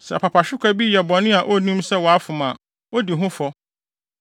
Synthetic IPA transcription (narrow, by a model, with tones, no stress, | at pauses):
sɛ̰˨pʰa˨pʰa˨ɕᶣɪ˦kʷʰa˦bi˦jɛ˨bɔ˨nɪ̃˦a˨ʔo˦˨nĩ˦msɛ˦wɔ˨a˦fʊ˨mã˨ | o˦di˨ɦʊ̃˦fɔ˦